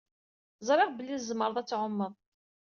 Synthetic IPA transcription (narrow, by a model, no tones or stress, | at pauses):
zˤɾˤɪʁbəlːizːəməɾˤðˤæt͡sːʕʊmːəðˤ